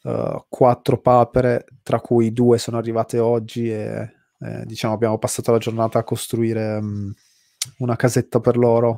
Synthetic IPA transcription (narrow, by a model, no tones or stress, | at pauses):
kʰwat̪ːɾopaːpeɾet̪ɾakːujd̪uːesoːnoarːivaːt̪eɔd͡ʒːiḛ | d̪it͡ʃaːmoabːjaːmopasːaːt̪olad͡ʒornaːt̪aːkːost̪ɾuiːɾe | unakazet̪ːaperloːɾo